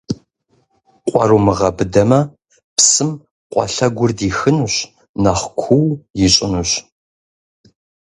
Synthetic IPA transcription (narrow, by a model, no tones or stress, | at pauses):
qʷʼɔ̰ɾumɨʁɐbɨdɐmɐ | psɨm | qʷʼɔ̰ɬɐɡʷʊrdiːxɨnuɕ | nɐχʷkʷʰuwjɪɕʼɪnuɕ